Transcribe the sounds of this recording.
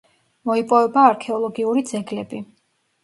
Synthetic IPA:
mɔipʼɔvɛbaːɾkʰɛɔlˠɔɡiuɾid̪zɛɡlɛbi

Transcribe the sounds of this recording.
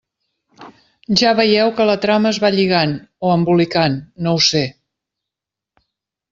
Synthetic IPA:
ʒaβəjɛwkələt̪ɾaməːzβaʎiɣanoəmbulikanːowse

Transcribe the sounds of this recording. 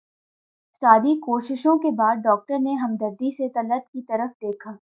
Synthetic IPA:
ʃaːd̪ikoːʃɪʃõkebaːd̪̚ɖɔːk̚ʈəɾneɦɐmd̪əɾd̪iset̪ɐləb̚kit̪ɐɾəfd̪eːkʰaː

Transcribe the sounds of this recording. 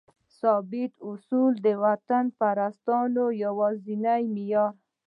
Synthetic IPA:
sɑbɪt̪ʊsuld̪əwat̪anpaɾast̪ɑnojawɑzinajmɪjɑɾ

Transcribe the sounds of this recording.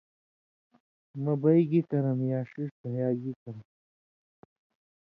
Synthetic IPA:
mɐbɐjɡikɐɾɐmjaːʂiʂt̪ɐjaːɡikɐɾɐm

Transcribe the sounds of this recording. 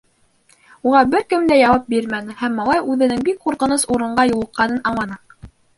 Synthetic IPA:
uʁɑbɘɾkɘmd̪æjɑwɑp̚biɾmænɘ̆hæmːɑlˠɑjʉðɘ̆nɘŋbik̚quɾqɤ̆nɤsuɾɤ̆ɴɢɑjulˠɤ̆qːɑnɤnɑɴlˠɑnɑ

